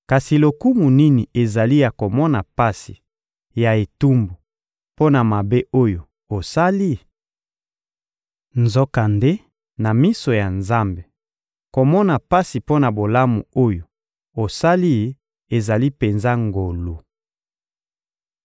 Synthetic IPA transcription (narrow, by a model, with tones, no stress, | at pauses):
ka˨si˨lo˨ku˦mu˨ni˦ni˨e˨za˨li˦ja˨ko˨mɔ˦na˨pa˦si˨ | ja˨e˨tu˦mbu˨ | po˦na˨ma˨be˦ʔo˦jo˨ | o˨sa˦li˦˨ | nzo˦ka˨nde˦ | na˨mi˦so˨ja˨nza˦mbe˨ | ko˨mɔ˦na˨pa˦si˨po˦na˨bo˨la˦mṵ˨o˦jo˨ | o˨sa˦li˦ | e˨za˨li˦pe˨nza˦ŋɡo˨lu˨